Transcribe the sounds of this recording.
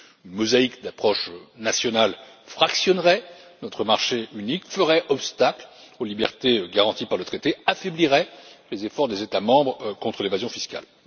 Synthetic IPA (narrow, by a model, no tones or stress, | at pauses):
ynmɔzaikd̪apχɔʃnasjɔnalfχaksjɔnʁɛnɔt̪χəmaʁʃeynikfəʁɛʔɔpst̪aklolibɛ̰ʁt̪eɡaʁɑ̃t̪ipaʁlət̪χet̪eafɛbliʁɛlezefɔʁd̪ezet̪amɑ̃bʁkɔ̃t̪χəlevazjɔ̃fiska̰l